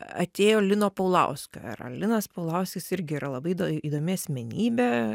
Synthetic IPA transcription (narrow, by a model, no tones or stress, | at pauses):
ɐ̰t̪ʲeːjoːlʲɪnoːpɐʊlˠɐ̰ʊsʲko̰ɐ̰ɾɐ̰lʲɪnɐspɐʊlˠɐʊsʲkʲɪsɪɾʲɡʲɪiɾɐlˠɐbɐɪd̪oiːd̪oːmʲɪɐsʲmʲɛnʲiːbʲɛ